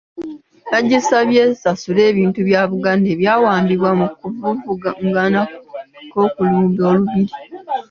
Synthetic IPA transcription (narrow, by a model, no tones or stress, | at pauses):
naɟːisaβjeːsasule̞ːβiːntuβjaːβuɡaːnde̞ːβjaːwaːmbiβwamukuvuvuɡaŋɡanakko̞ːkuluːmdo̞ːluβiɾi